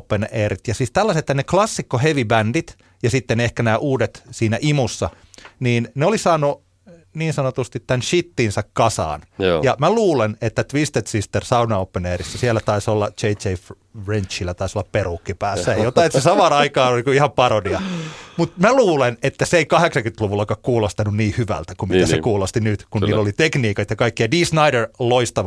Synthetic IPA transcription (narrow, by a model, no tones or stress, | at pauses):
pːeneːrit̪jɑsiːst̪ælːɑset̪ːæneklɑsːikːoheʋibændit̪ | jɑsit̪ːenehkænæːʔuːdet̪siːnæʔimusːɑ | niːnneolisɑːnːˑu | niːnsɑnot̪ust̪it̪tænʃit̪ːinsɑkkɑsɑ̰ːnjɑmæluːlenet̪ːæt̪ʋist̪et̪sist̪ersɑunɑopːeneːrisːæsielːˑæt̪ɑisolːɑt͡ʃeit͡ʃeif | rent͡ʃːilːæt̪ɑisolːɑpperukːipæːsːæejjot̪ɑˑet̪sesɑmɑːnɑikɑːnolikuihɑmpɑrodiɑmut̪mæluːlenet̪ːæseeikɑheksɑŋkynt̪luʋulːɑkɑkkuːlost̪ɑnunniːhyʋæ̰lt̪ækummit̪æsekuːlost̪inyt̪kunniːlːolit̪ekniːkɑt̪jɑkɑikːiɑdiːsnɑiderloist̪ɑʋ